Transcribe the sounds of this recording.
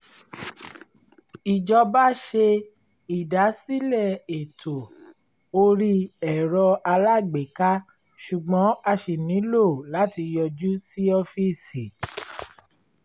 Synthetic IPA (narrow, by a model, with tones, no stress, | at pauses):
i˨d͡ʒɔ˧ba˦ʃe˧ | i˨da˨˦si˦lɛ˦˨e˨tʰo˨ | o˧ɾi˦ɛ˨ɾɔ˧a˧la˦˨ɡ͡be˨ka˦ | ʃu˨ɡ͡bɔ̃˨˦a˧ʃe˨nĩ˨˦lo˦˨la˨˦ti˧jɔ˧d͡ʒu˦si˦ɔ˧fi˦si˨